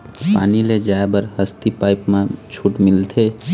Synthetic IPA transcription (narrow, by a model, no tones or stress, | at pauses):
pa̰ːniled͡ʒaːebəɾhəst̪ipaːɪpmãt͡ʃʰuʈmɪlt̪ʰeː